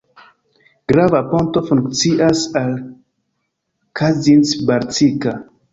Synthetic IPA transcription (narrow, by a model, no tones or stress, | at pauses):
ɡ̥ɾavaponto̞fuŋkt͡siʔasal | kazinsbaɾtika